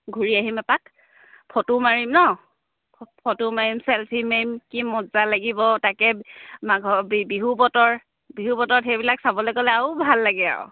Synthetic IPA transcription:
ɡʱuɹiaɦimɛpak | pʰɔtumaɹimnɔ | pʰɔtumaɹimsɛlpʰimemkimɔzalaɡibɔtakɛmaɡʱɔbbiɦubɔtɔɹ | biɦubɔtɔtxejbilaksabɔlɛkɔlɛaubʱalːaɡɛa̰w̰

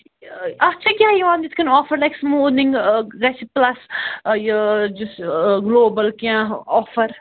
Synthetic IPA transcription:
ɐt͡ʃʰakʲjaːjiʋãːnd̪it̪kɐnɔːfɐɾlɐjksmuːnĩŋɡɡɐt͡ʃʰiplɐsjəd͡ʒusɡloːbɐlkãɔːfɐɾ

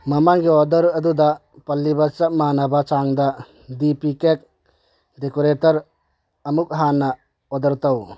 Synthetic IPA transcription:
mɐmaŋɡiɔdɐɾɐd̪ud̪a | pɐlːibat͡ʃɐp̚manabat͡ʃaŋd̪a | dipikek̚ | dekoɾetɐɾ | ɐmuk̚ɦanːɐ | ɔd̪ɐɾt̪ɐw

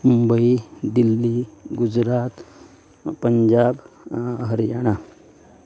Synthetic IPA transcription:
mumbəid̪ilːiːɡud͡zɾat̪ | pəɲd͡ʒabɦəɾjaɽ̃a

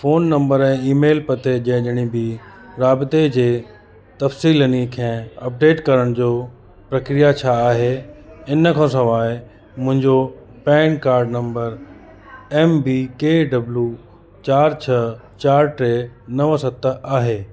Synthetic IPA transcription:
foːnːɐ̃mbəɾɛ̃iːmeːlpɐt̪ed͡ʑɐ̃ɦɪ̃ʄɐɽ̃ibɪ | ɾaːbɪt̪ed͡ʑeː | t̪ɐfsiːlənikʰɛ̃ːɐp̚ɖeːʈkɐɾəɽ̃d͡ʑoː | pɾɐkɾijat͡ɕʰaːɦeɪnə̆kʰãsɐʋaːɪ | mʊ̃ɦɪ̃ɲd͡ʑo | pɛ̃ːɳkaːɾɖnɐ̃mbəɾ | ɛːmbikeːɖɐblju | t͡ɕaːɾt͡ɕʰɐt͡ɕaːɾʈɾenɐʋsɐt̪aːɦeː

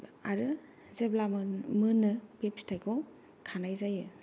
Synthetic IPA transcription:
aɾɯ | zeblamɯnɯpepstʰajɡʰɔw | kʰanajzajɯ

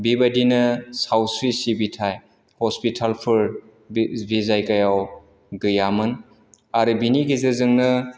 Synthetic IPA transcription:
bibadinɯsawsɾisibitʰaj | hɔspitʰalpʰɯɾ | bizajkajaw | ɡɯjamɯn | aɾɯbiniɡizɯzɯŋnɯ

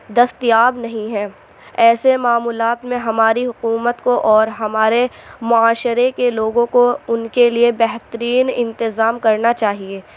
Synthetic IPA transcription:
d̪ɐst̪ijaːbnɐɦĩɦɛ̃ː | ɛːsemaːmuːlaːt̪mẽɦɐmaːɾiɦʊkuːmət̪koʔɔːɾɦɐmaːɾemʊaːʃɾekeloːɡõkoʊnkeliebɛɦt̪əɾiːnɪ̃nt̪ɪzaːmkɐɾnat͡ʃaːɦieː

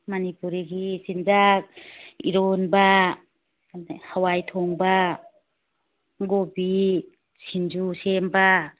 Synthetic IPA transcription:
manipuɾiɡisinzak̚ḭɾonba | hawajtʰɔŋba | ɡobi | sind͡ʒusemba

